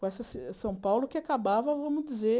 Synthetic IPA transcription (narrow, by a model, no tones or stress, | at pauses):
kõɛsɐssɐ̃w̃pawlʊkɪakabavɐvɐ̃mʊd͡ʒize